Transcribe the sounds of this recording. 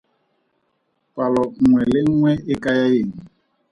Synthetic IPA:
palɔŋʷwɛleŋwɛekajajeŋ̩

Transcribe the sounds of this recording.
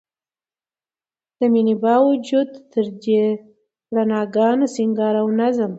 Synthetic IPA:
d̪̥əminibɑwud͡ʒud̪t̪əɾd̪e | ɽanɑɡɑnosiŋɡɑɾawnazəm

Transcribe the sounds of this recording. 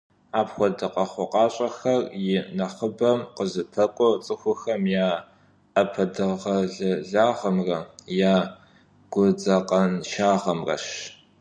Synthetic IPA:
aːpxʷɔdɨqɐχʷʊqʼɑːɕʼɐxɐrjɪnɐχəbɐmqəzɨpʰɐkʷʼɔt͡sʼɨxʷʊxɐmjaː | ɐpʰɐdɨʁɐɮɨɮaːʁɐmrɐjaː | ɡ̥ʷʊd͡zɐqɐnʃaːʁɐmrɐ̰ʃ

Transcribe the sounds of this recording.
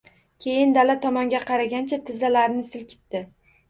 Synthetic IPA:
kʲʰe̞jɪnd̪alat̪ʰɒmɒŋɡʲaqʰɑɾaɡʲant͡ʃʰat̪ʰɪzalaɾnɪsɪlkʲʰɪ̥t̪ːɪ

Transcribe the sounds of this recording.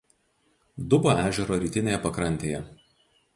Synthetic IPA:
d̪ʊboʔæːʒʲɛɾoːɾʲiːt̪ʲɪnʲeːjɛpɐkɾɐnʲt̪ʲeːjɛ

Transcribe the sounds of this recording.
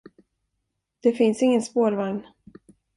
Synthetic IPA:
d̪̥ɛfɪnsɪŋːənspoːɾvaŋn

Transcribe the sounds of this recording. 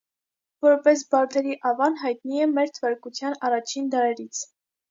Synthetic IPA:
vɔɾpɛs̬bɑɾt̪ʰɛɾiʔɑvɑnɦɑjt̪̚niɛmɛɾt̪ʰəvɑɾkut͡sʰjɑnɑrɑt͡ʃʰind̪ɑɾɛɾit͡sʰ

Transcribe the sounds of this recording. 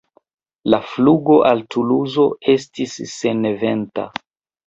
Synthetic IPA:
lafluɡo̞ʔaltʰuluzo̞e̞s̬tisːe̞ne̞ve̞nta̰

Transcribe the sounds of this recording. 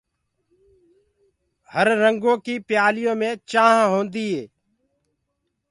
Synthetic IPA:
həɾːəŋɡõːkiːpɪjaːlɪjõːmẽːt͡ʃãːɦɦõːnd̪iːɦeː

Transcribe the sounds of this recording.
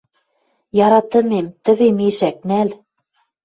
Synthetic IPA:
jɑɾɑt̪ɤ̆memt̪ɘ̆βemeʃæk̚næl

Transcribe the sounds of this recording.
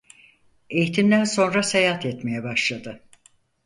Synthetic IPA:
ejit̪ʰimd̪ænso̞nɾasejaht̪ɛt̪me̞jɛbaʃlˠad̪ɯ

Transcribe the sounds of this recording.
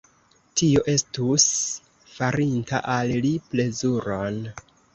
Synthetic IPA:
tio̞ʔe̞stus | faɾinta̰ʔalliple̞zuɾo̞n

